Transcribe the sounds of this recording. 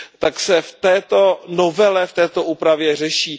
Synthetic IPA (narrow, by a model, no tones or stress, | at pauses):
t̪aksɛft̪ɛːt̪o̞novɛlɛft̪ɛːt̪o̞ʔuːpɾavjɛr̝ɛʃiː